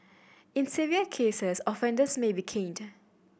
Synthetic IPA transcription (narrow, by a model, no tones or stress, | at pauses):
ɪ̃nsiviəkʰeːsɛsɔfɛ̃ndəsmebikʰẽnd